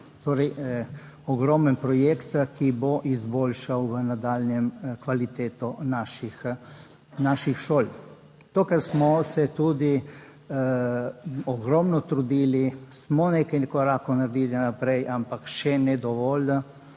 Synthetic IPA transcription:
t̪oːɾɛj | ɔɡɾɔmənpɾɔjekt̪kʰiboʔizboːlʃawʋənad̪aːlnjɛmkʋalit̪eːt̪ɔnaʃix | naʃixʃoːl | t̪okɛɾsmɔsɛt̪uːd̪i | ɔɡɾɔmnɔt̪ɾud̪iːlismɔnekajnɛkɔɾaːkɔnaɾd̪iːlinapɾɛjʔampakʃɛnɛd̪ɔʋɔl

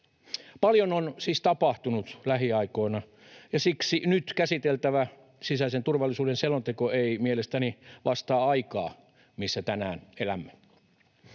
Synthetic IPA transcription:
pɑljononsiːst̪ɑpɑht̪unut̪læɦiɑiko̞inɑ | jɑsiksinyt̪kæsit̪elt̪æʋæ | sisæisent̪urʋɑlːisuːdenselont̪ekoeimielest̪æniʋʔɑst̪ɑːɑikɑ̰ː | misːæt̪ænæːnelæmːæ

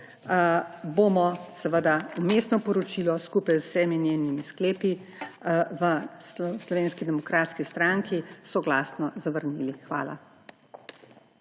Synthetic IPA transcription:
bomɔsɛʋəd̪aumesnɔpɔɾɔt͡ʃilɔskuːpajwsɛminjeːnimiskleːpi | ʋəslɔʋeːnskid̪ɛmɔkɾaːt̪skist̪ɾaŋkʰisɔɡlasnɔzaʋəɾnilixʋa̰ːla̰

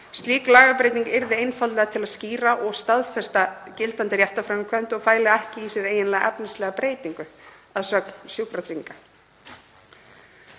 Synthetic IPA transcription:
st̪liːklaːɣapɾeːjt̪niŋkɪɾðɪejnfalɛɣat̪ʰɪlaðsciːɾaʔɔɣst̪aðfɛst̪acɪlt̪ant̪ɪɾjaht̪afɾaŋkʰvœn̥t̪ɔɣfaːjlɪɛhcɪisjɛɾeːjɪnlɛːɣaʔɛpnɪst̪lɛːɣapɾeːjt̪iŋkʏ | aðsœːkn̥sjupɾat̪ɾiŋka

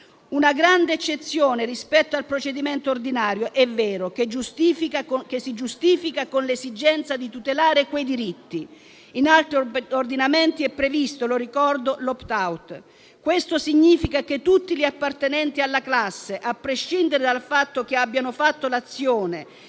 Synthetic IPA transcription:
unaɡɾand̪eːt͡ʃːet̪sːjoːnerispɛt̪ːoalpɾot͡ʃed̪iment̪oːrd̪inaːɾjoʔɛvːɛːɾoked͡ʒːust̪ifikakesid͡ʒust̪iːfikakonlesid͡ʒɛnt̪sad̪it̪ut̪elaːɾekwejd̪iɾit̪ːi | inalt̪ɾiord̪inament̪iɛpːɾevist̪oloɾikɔrd̪olɔpt̪awt̪ | kwest̪osiɲːiːfikaket̪ːut̪ːiʎiapːart̪enɛnt̪ialːaklasːeʔapːɾeʃːind̪eɾed̪alfat̪ːok̟eabːjanofat̪ːolat̪sːjoːne

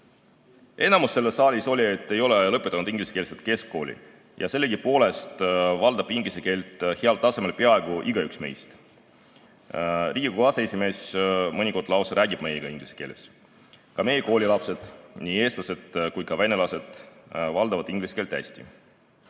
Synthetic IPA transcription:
ʔe̞nɑmusːe̞lːesːɑːlʲiso̞lʲie̞t̪ːe̞jo̞lelɤpːˑe̞t̪ːˑɑnud̪iŋɡ̥lise̥keːlset̪̚ke̞skko̞ːlḭ | jʔɑse̞lːeɡipo̞ːle̞st̪vɑld̪̥ɑb̥iŋɡliseke̞ːlt̪ˑheɑlt̪ɑse̞me̞lpeɑe̞ɡ̥uʔiɡ̥ɑyksme̞̰jst̪ | rʔiːɡ̥ikɑseesʲime̞ːsmɤnʲiko̞rd̪lɑwseɾæːɡib̥me̞jeɡ̥ɑiŋɡ̥lise̥ke̞ːlḛs | kɑme̞jeko̞ːlʲilɑpse̞d̪̥niːe̞ːst̪lɑse̞d̪̥kujkɑvene̞lɑse̞d̪̥vɑld̪ɑvɑd̪̥iŋɡ̥lise̥ke̞ːlt̪æ̰sʲt̪ḭ

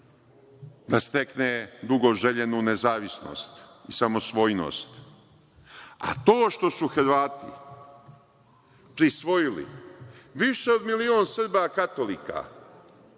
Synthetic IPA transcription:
d̪ast̪e̞kned̪uɡo̞ʒeʎenuːnezaːʋisno̰st̪isamo̞sʋo̞jno̰st̪ | a̰t̪oːʃt̪o̞suxɾ̩ʋaːt̪ḭ | pɾisʋo̞jilḭʋiʃeo̞d̪milioːnsr̩bakat̪oliːka̰

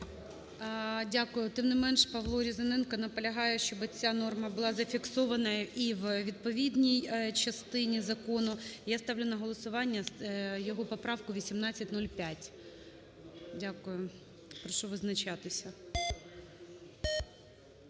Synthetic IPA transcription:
dʲakʊjʊt̪ɪmnɪmɛnʃpɐʋlˠɔɾʲizɐnɪnkɐnɐpɔlʲɐɦɑjɛʃt͡ʃɔbɪt͡sʲanɔrmɐbʊlˠɑzɐfʲiksɔʋɐnɐiʋʋʲid̪pɔʋʲid̪ʲnʲijt͡ʃɐst̪ɪnʲizɐkɔnʊjast̪ɑwlʲʊnɐɦɔlˠɔsʊʋɑnʲːɐjɔɦɔpɔpɾɑʋkʊʋʲisʲimnɑt͡sʲːɐtʲnɔlʲpʲjatʲ | dʲakʊjʊ | pɾɔʃɔʋɪznɐt͡ʃɑt̪ɪsʲɐ

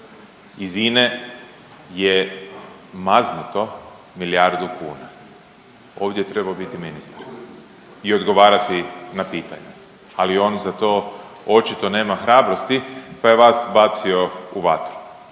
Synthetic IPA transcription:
iziːne | je | maznut̪o̞ | miljaɾd̪ukʰṵːna | o̞ːʋd̪jet̪ɾe̞baobit̪iminist̪ḁɾ | io̞d̪ɡo̞ʋaːɾat̪inapiːt̪a̰ɲu | alio̞ːnzat̪o̞ːo̞t͡ʃit̪o̞ne̞ːmaxɾaːbɾo̞st̪ipajeʋaːsbaːt̪sio̞uʋat̪ɾu̥

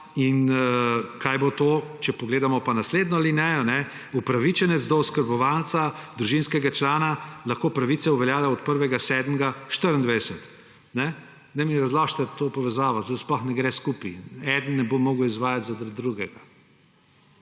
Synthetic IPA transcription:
in | kajbot̪oːt͡ʃɛpɔɡleːd̪amɔpanasleːd̪nɔlinɛjɔnɛ | upɾaʋit͡ʃɛnɛt̪zd̪ɔɔskəɾbɔʋalt̪sad̪ɾuʒinskɛɡat͡ʃlaːnalaxkoːpɾaʋit̪sɛuʋɛljaːlɛɔt̪̚pəɾʋɛɡasɛd̪mɡaʃt̪əɾnd̪ʋɛɛsɛt̪ | nɛ | nɛmiɾazlaʃt̪ɛt̪oːpɔʋɛzaːʋɐt̪osplɔxnɛɡɾɛskupiɛd̪ənnɛbomːoːɡəwizʋaːjat̪zad̪d̪ɾuɡɛɡa

